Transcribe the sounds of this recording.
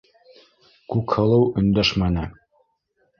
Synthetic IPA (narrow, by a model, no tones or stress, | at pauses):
kʉkhɤ̆lˠɤwɵ̆nd̪æʃmænɘ